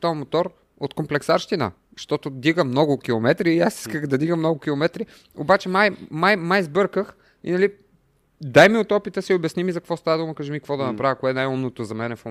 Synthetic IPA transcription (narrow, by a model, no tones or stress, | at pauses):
t̪ɔmot̪ɔɾ | ot̪komplɛksaɾʃt̪inə̰ | ʃt̪ɔt̪ʊd̪iɡəmnɔɡʊkʲilˠomɛt̪ɾiːasi̥skəxd̪ɐd̪iɡəmːnɔɡʊkʲilˠomɛt̪ɾi | o̰bat͡ʃɛmajmajmajzbɤɾkəx | ḭnɐli | d̪ajmiot̪ɔpit̪əsiobɛsnimizɐkvɔst̪avəd̪uməkɐʒɛmikvɔd̪ɐnɐpɾavəkoɛnajumnot̪ozɐmɛnɛfo